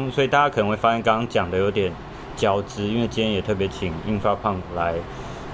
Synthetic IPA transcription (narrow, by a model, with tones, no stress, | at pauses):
ŋswɔ˧˥i˨˩t̪a˥˩t͡ɕa˥kʰə˨˩nə˧˦ŋwe˥˩ɪfa˥ɕɛ˥nkɑ˥ŋ˥ŋt͡ɕjɑ˨˩ŋd̪ə˦jo˧˥ʊt̪jɛ˨˩˦n | t͡ɕjɑ˨˩ʊt͡sɹ̩˥i˥nwe˥˩ɪt͡ɕi˥jɛ˥njɛ˨˩t̪ʰɤ˥˩p̬jɛ˧t͡ɕʰi˨˩ŋi˥nfa˥pʰɑ˥˩ŋla˨˦ɪ